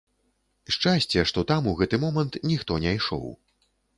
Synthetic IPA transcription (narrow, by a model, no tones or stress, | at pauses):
ʂt͡ʂasʲt͡sʲɛʂt̪ɔt̪amuɣɛt̪ɨmɔmɐnt̪nʲixt̪ɔnʲɛjʂɔ̰w